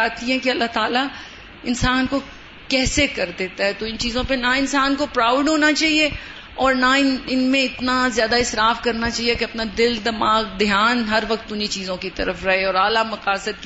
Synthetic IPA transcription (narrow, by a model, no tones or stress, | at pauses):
aːt̪ĩɦɛ̃kiɐlːaːt̪aːla | ɪnsaːnko | kɛːsekɐɾd̪eːt̪aɦɛt̪oɪ̃nt͡ʃiːzõpenaɪnsaːnkopɾaːʊɖɦoːnat͡ʃaːɦie | ɔːɾnaɪnɪnmẽɪt̪nazjaːd̪aɪsɾaːfkɐɾnat͡ʃaːɦiekeɐpnad̪ɪld̪ɐmaːɡd̪jaːnɦɐɾʋɐq̚t̪ʊnit͡ʃiːzõkit̪ɐ̰ɾəfɾɐɦeɔːɾaːlamɐqaːsəd̪̚